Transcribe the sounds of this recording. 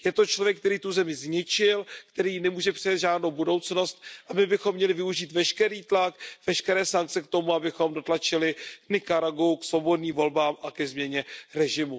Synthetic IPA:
jɛt̪o̞t͡ʃlo̞vjɛk̚t̪ɛɾiːt̪uzɛmɪzɲɪt͡ʃɪlkt̪ɛɾiːnɛmuːʒɛpr̝̥ɛjat̪ʒaːdnowbudo̞wt͡sno̞st̪̚ʔabɪbɪxo̞mːɲɛlɪvɪuʒiːt̪vɛʃkɛɾiːt̪lakvɛʃkɛɾɛːsaŋk̚t͡sɛk̚t̪o̞muabɪxo̞mdo̞t̪lat͡ʃɪlɪknɪkaɾaɡowksvo̞bo̞dniːmvo̞lbaːmʔakɛzmɲɛɲɛɾɛʒɪmu

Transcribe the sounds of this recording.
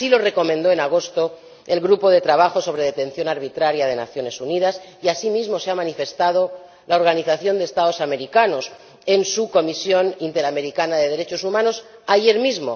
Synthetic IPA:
silo̞re̞ko̞mẽnd̪o̞e̞naɣ̞o̞st̪o̞ | elɣɾupo̞ðe̞t̪ɾaβ̞axo̞so̞β̞ɾe̞ðe̞t̪ẽ̞nθjo̞naɾβ̞it̪ɾaɾjað̞e̞na̰θjo̞ne̞sunið̞as | iasimizmo̞seamanife̞st̪að̞o̞ | lao̞ɾɣaniθaθjo̞nd̪est̪ao̞same̞ɾikano̞s | e̞nsuko̞misjo̞nint̪e̞ɾame̞ɾikanaðe̞ðe̞ɾe̞t͡ʃo̞sumãno̞s | aʝe̞ɾmizmo̞̰

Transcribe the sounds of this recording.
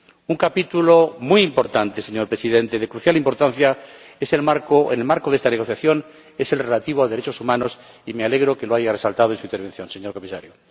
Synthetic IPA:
uŋkapit̪ulomujimpo̞ɾt̪ant̪e̞seɲoɾpɾe̞siðe̞nt̪eðe̞kɾuθjalimpo̞ɾt̪anθja | e̞selmaɾkoenelmaɾkoðest̪ane̞ɣo̞θjaθjon | e̞se̞lrelat̪iβ̞oalðeɾe̞t͡ʃo̞sumãno̞s | imeale̞ɣɾo̞ke̞lo̞aʝare̞salt̪aðensuineɾβ̞e̞nθjo̞nse̞ɲo̞ɾko̞misa̰ɾjo

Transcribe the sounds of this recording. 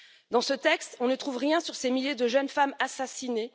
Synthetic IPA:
d̪ɑ̃sət̪ɛkst̪ɔ̃nət̪χuvʁjɛ̃syʁsemiljed̪əʒənfamasasine

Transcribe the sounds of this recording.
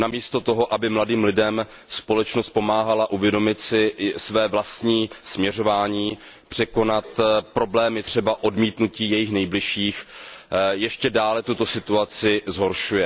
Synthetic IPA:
namiːst̪o̞t̪o̞ɦo̞ʔabɪmladiːmlɪdɛm | spo̞lɛt͡ʃnost̪̚po̞maːɦalaʔuvjɛdo̞mɪt̪sɪsvɛːvlast̪ɲiːsmɲɛro̞vaːɲiːpr̝̥ɛko̞nat̪pɾo̞blɛːmjɛt̪r̝̥ɛbaʔo̞dmiːt̪nuciːjɛjɪxnɛjblɪʃiːx | jɛʃcɛdaːlɛt̪ut̪o̞sɪt̪uat͡sɪzɦo̞ɾʃujɛ

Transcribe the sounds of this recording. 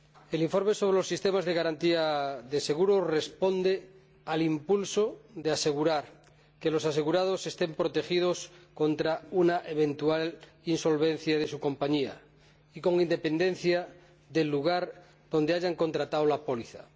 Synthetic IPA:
e̞liɱfo̞ɾmeso̞β̞ɾelosːist̪emazðeɣaɾant̪iaðese̞ɣ̞uɾore̞spo̞nd̪e | alimpulsoðease̞ɣ̞uɾaɾ | kelosase̞ɣuɾað̞ose̞st̪e̞mpɾot̪e̞xið̞osko̞nt̪ɾaunaʔeβ̞e̞nt̪ual | inso̞lβ̞en̟θjað̞esuko̞mpaɲia̰ | iko̞ŋind̪e̞pe̞nd̪e̞n̟θja | ðelːuɣ̞aɾ | ðond̪eaʝaŋko̞nt̪ɾat̪aolapoliθa̰

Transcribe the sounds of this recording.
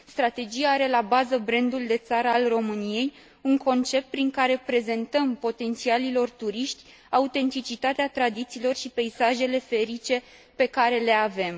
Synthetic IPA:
st̪ɾat̪e̞d͡ʒijaaɾe̞labazəbɾend̪uld̪e̞t̪saɾəalro̞mɨnije̞j | uŋko̞nt͡ʃe̞p̚t̪̚pɾiŋkaɾe̞pɾe̞ze̞nt̪əmpo̞t̪e̞nt̪sialilo̞rt̪uɾiʃt̪ʲ | aut̪e̞nt̪it͡ʃit̪at̪eat̪ɾad̪it̪siːlo̞rʃipe̞isaʒe̞le̞fe̞ɾit͡ʃe̞ | pe̞kaɾe̞le̞ave̞m

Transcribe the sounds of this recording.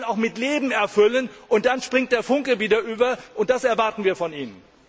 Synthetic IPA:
naʊxmɪtleːbm̩ɛɐfʏlənʔʊnt̚d̥anʃpʁ̥ɪŋt̚d̥eːɐfʊŋkəviːdɐʔyːbɐʔʊnt̚d̥asɛɐvaɐtn̩viːɐfɔniːnən

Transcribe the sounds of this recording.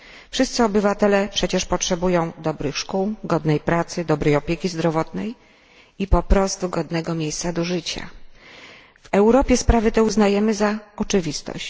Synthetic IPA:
fʂɘst̪sɘɔbɘvat̪ɛlɛpʂɛt͡ɕɛʂpɔtʂɛbujɔ̃w̃d̪ɔbɾɘxʂkuwɡɔd̪nɛjpɾat̪sɘd̪ɔbɾɛjɔpʲjekʲizd̪ɾɔvɔt̪nɛj | ipɔpɾɔst̪uɡɔd̪nɛɡɔmʲjejst̪sad̪ɔʐɘt͡ɕa̰ | v̥ɛwɾɔpʲjɛspɾavɘt̪ɛuznajɛmɘzaɔt͡ʂɘvʲist̪ɔ̰ɕt͡ɕ

